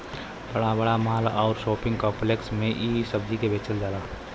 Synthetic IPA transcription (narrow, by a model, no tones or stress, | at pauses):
b̥əɽabəɽamaːlɔːɾʃoːpɪ̃ŋɡkɔ̃ːpleksmẽʔiːsəbd͡ʒikebeːt͡ʃəldaːlaː